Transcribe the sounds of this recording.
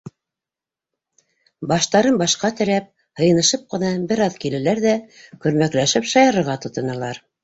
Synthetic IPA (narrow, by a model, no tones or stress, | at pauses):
bɑʃt̪ɑɾɤnbɑʃqɑt̪ɘ̆ɾæp̚ | hɤ̆jɤ̆nɤ̆ʃɤp̚qɤ̆nɑbɘ̆ɾɑðkilɘ̆læɾðækɵ̆ɾmæklæʃɘpʃɑjɑɾɤ̆ɾʁɑt̪ŏt̪ɤ̆nɤ̆lˠɑɾ